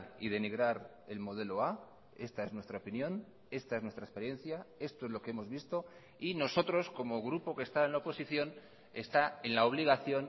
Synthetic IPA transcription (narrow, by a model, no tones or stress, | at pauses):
ḭðe̞niɣɾaɾ | e̞lmo̞ð̞e̞lo̞a | e̞st̪ae̞znwe̞st̪ɾaopinjõ̞n | e̞st̪aeznwe̞st̪ɾaespe̞ɾje̞nθjae̞st̪o̞ezlo̞keemo̞zβist̪o̞ | ino̞so̞t̪ɾo̞sko̞mo̞ɣɾupo̞ke̞st̪aenlaopo̞siθjo̞n | e̞st̪ae̞nlaoβ̞liɣaθjo̞n